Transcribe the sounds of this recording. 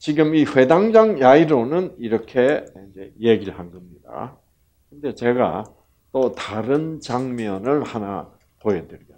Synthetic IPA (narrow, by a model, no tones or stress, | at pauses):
t͡ɕiɡɯmiɸwe̞daŋd͡ʑaŋjaiɾonɯniɾʌkʰe̞ind͡ʑe̞jeɡiɭhanɡʌmɲida̰ | kɯnde̞t͡ɕe̞ɡa̰ | t͈otaɾɯnt͡ɕaŋmjʌnɯɭhana̰ | poedɯɾiʌ